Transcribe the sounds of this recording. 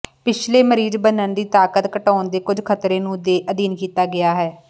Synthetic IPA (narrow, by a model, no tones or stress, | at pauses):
pɪt͡ʃʰleːməɾiːzbənənd̪iːt̪aːkət̪kəʈaːnd̪eːkʊd͡ʒkʰət̪ɾeːnũːd̪eːʔəd̪iːnkiːt̪aːɡɪjaːɦɛː